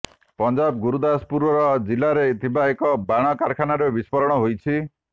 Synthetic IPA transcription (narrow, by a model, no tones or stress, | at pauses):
pɔnd͡ʒab̚ɡuɾud̪aspuɾɔɾɔd͡ʒilaɾet̪ʰibaekɔbaɽ̃ɔkaɾkʰanaɾebispɔɾɔɽ̃ɔɦojt͡ʃʰi